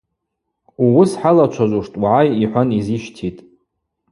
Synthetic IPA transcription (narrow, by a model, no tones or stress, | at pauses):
uwʊsħalat͡ʃʷʰazʷuʂtʼwaʕajiħʷaniziʃtʰitʼ